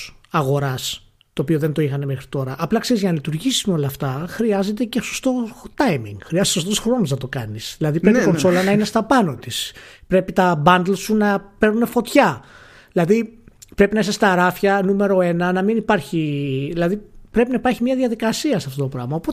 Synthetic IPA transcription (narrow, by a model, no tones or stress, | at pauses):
ɐɣo̞ɾɐs | t̪o̞ːpio̞ðend̪o̞ixɐne̞me̞xɾit̪o̞ɾɐʔɐplɐkse̞ɾizʝɐnɐlit̪uɾʝisi̥umeo̞lɐːft̪ɐxɾiɐze̞t̪̬e̞ce̞so̥st̪o̞t̪ɐjmḭŋɡ̥xɾiɐzt̪sost̪osxɾo̞noznɐt̪o̞kɐnisðilɐðipɾeikonso̞lɐnɐine̞st̪ɐpɐno̞t̪ispɾe̞pit̪ɐbɐnd̪lsunɐpe̞ɾnune̞fo̞t̪çɐ | ðilɐðipɾe̞pinɐisest̪ɐɾɐfçɐnume̞ɾo̞e̞nɐnɐminipɐɾçiðilɐðipɾe̞pinɐipɐɾçimɲɐðiɐðikɐsiɐsɐft̪ot̪o̞pɾɐ̰ɣmɐopot̪e